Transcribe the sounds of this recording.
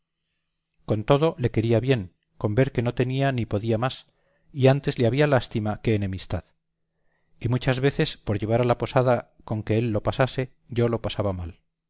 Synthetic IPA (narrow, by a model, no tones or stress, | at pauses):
ko̞nt̪o̞ðo̞le̞ke̞ɾiaβje̞ŋ | ko̞mbe̞ɾke̞no̞t̪e̞nianipo̞ðiamas | iant̪e̞zleaβialast̪imake̞ːne̞mist̪að | imut͡ʃazβe̞θe̞spo̞ɾʎe̞β̞aɾalapo̞saða | ko̞ŋke̞elːo̞pasase̞ | ʝo̞lo̞pasaβamal